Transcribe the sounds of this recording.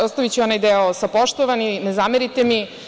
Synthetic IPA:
ost̪aʋit͡ɕionajd̪eosapoʃt̪oʋaninezameɾit̪emi

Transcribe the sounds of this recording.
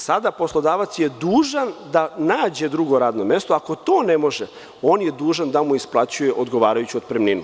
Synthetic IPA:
sad̪aposlˠo̞d̪aːʋat̪sjed̪uːʒand̪anaːd͡ʑe̞d̪ɾuɡo̞ɾaːd̪no̞me̞st̪oako̞t̪o̞ːnemo̞ʒe | oːnjed̪uːʒand̪amuisplˠat͡ɕujeʔod̪ɡo̞ʋaːɾajut͡ɕuod̪̚pɾemniːnu

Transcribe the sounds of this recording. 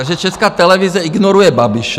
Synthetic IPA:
aʒɛt͡ʃɛskaːt̪ɛlɛʋizɛiɡnɔɾujɛbabiʃ

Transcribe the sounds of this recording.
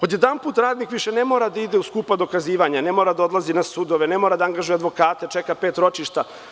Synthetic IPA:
o̞d̪je̞d̪anpuːt̪ɾaːd̪nikʋiʃenemo̞ːɾad̪aid̪e̞uskuːpad̪o̞kaziːʋaɲanemo̞ːɾad̪ao̞d̪lˠazinasud̪oʋenemoɾad̪aaŋɡaʒujead̪ʋo̞kaːt̪et͡ʃekapeːt̪ɾo̞t͡ʃiʃt̪a

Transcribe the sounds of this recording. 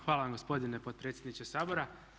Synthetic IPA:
xʋaːlˠaʋamɡospo̞d̪inepot̪̚pɾet̪sʲjed̪nit͡ʃesaːbo̞ɾa

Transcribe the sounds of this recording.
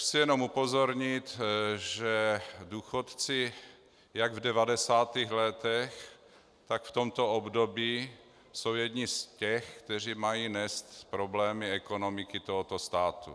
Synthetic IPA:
sɪjɛnomupozoɾɲɪt̪ʒɛduːxot̪t͡sɪ | jaɡvdɛvadɛsaːt̪iːɣlɛt̪ɛx | t̪akft̪omt̪oobdobiː | so̞wjɛd̪ɲiscɛxkt̪ɛr̝iːmajiːnɛst̪pɾoblɛːmɪɛkonomɪkɪt̪oɦot̪ost̪aːt̪ṵ

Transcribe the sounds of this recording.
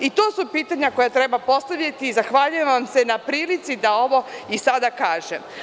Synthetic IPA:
it̪o̞ːsupiːt̪aɲako̞jat̪ɾe̞bapo̞st̪aʋʎat̪iːzaxʋaːʎujeʋamse̞napɾiːlit̪sid̪ao̞ʋo̞isad̪akaːʒḛm

